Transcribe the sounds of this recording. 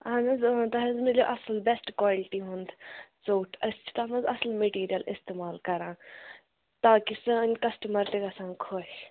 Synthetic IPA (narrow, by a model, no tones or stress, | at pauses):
anɐzt̪ɐɦɐzmilʲoʔɐslbɛsʈkwaːliʈiɦʊ̃nd̪t͡soːʈʰɐst͡ʃʰi̥t̪aːnɐzɐslmeʈiːɾijɐlɪ̰st̪eːmaːlkɐɾãː | t̪aːkisɐnʲkɐsʈɐmɐɾt̪eɡɐsãːŋkʰoːɦ